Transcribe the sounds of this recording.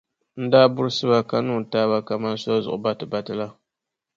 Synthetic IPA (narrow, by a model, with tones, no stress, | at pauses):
n̩˦daː˦bʊ˦ɾɨ˦sɨ˦βa˦ka˨nuː˦˨taː˦βa˦ka˨ma˦n˦sɔ˦zʊ̰˨ʔʊ˨ba˦tɨ˨ba˨tɨ˦la˦